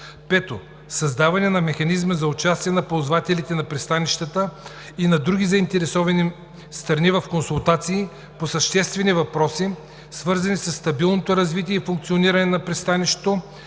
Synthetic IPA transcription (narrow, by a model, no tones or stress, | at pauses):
pɛt̪o | sɐzd̪avɐnɛnɐmɛxɐnizməzɐʊt͡ʃast̪iɛnɐpozvat̪ɛlit̪ɛnɐpɾɛst̪aniʃt̪ət̪ə | inɐd̪ɾuɡʲizɐint̪ɛɾɛsɔvɐni | st̪ɾɐnivɐfkonsulˠt̪at̪siː | posɐʃt̪ɛst̪vɛnivɐpɾɔsi | svɤɾzɐnisɐsːt̪ɐbilˠnot̪oɾɐzvit̪̬iɛifuŋk̚t̪sioniɾɐnɛnɐpɾɛst̪aniʃt̪t̪o